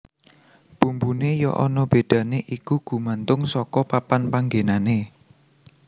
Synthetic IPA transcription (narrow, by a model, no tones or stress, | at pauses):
b̥umbunejɔʔɔnɔb̥e̤ɖ̥ä̤neʔikuɡ̥ṳmant̪ʊŋsɔkɔpapanpaŋɡenane